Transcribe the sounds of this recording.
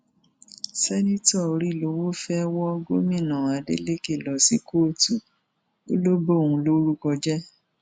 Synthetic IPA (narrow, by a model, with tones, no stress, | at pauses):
sɛ˦nĩ˦tɔ˦˨o˨˧ɾi˦˨lo˧wo˦fɛ˦wɔ˦ɡo˦mĩ˦˨nã˨a˨˦dḛ˦le˦ke˦˨lɔ˨si˦ko˦˨tu˨ | o˦lo˦bo˦˨ũ˧lo˦ɾu˦kɔ˧d͡ʒɛ˦